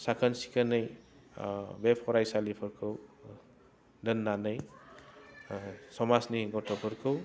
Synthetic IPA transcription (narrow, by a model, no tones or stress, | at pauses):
sakʰansi̥kʰanɯj | bepʰɔɾajsalipʰɔɾkʰɯw | dɯnːanɯj | sɔmasniɡɔtɔpʰɔɾkʰɯw